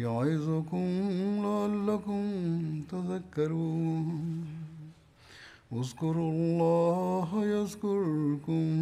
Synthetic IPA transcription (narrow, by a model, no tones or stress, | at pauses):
jaʕɪzʊkʊmlaalːɐkʊmt̪ɐzɐkːɐɾu | ʊzkʊɾlːɑːɦjɐzkʊɾkʊm